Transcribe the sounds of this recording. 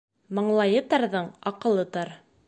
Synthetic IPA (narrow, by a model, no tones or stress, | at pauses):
mɤ̆ɴlˠɑjɤt̪ɑɾðɤɴɑqɤ̆lˠɤt̪ɑɾ